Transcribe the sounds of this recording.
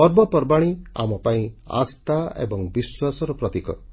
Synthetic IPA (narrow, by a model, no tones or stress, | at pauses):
ɔɾbɔpɔɾbaɽ̃ia̰mɔpaĩa̰st̪aḛbɔŋbiswasɔɾɔpɾɔt̪ikɔ̰